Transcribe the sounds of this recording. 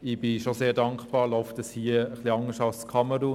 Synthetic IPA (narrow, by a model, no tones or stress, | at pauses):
ɪb̥ɪʃozeːɾdɑŋkχb̥ɑːɾlɔʊftəshiəəχliɑŋəsɑlskʰɑməɾuː